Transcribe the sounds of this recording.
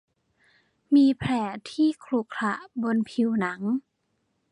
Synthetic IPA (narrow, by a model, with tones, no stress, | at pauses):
miː˧pʰɾɛː˨˩t̪ʰiː˥˩kʰlu˨˩kʰla˧˩ʔbo˧npʰi˧wna˩˦ŋ